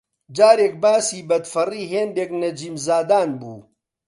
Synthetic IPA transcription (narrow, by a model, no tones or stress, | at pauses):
d͡ʒaːɾeːk̚baːsiːbɐd̪fɐriːɦeːnd̪eːknɐd͡ʒiːmzaːd̪aːnbṵː